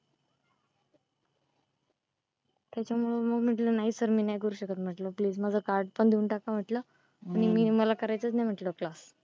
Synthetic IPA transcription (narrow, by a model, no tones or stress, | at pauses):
t̪jat͡ɕjamuɭəməɡm̤əʈ̬lənaɦisəɾmiːnajkəɾuːɕəkət̪m̤əʈləpliːd͡zmad͡zʱəkaɾɖpəɳd̪iuːnʈakam̤əʈlə | aɽ̃imiːməlakəɾajt͡sət͡snajm̤əʈləklas